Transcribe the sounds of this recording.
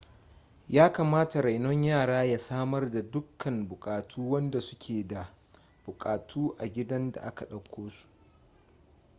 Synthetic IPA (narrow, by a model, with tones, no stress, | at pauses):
jaː˦kaː˨maː˦ta˨ɾa˨jnɔ˦ɲjaː˦˨ɽaː˦ja˦saː˦mɐ˦rda˨dʊ˦kʰːɐ˨mbʊ˨kʼaː˨tʰuː˦wɐ˦nda˨sʊ˦kʲʰeː˨da˨ | b̥ʊ˨kʼaː˨tʰuː˦ʔa˨ɡʲɪ˦dɐ˦nda̰˨ʔa˦ka˨ɗɐ˨kʷʰːoː˦su̥˨ʔ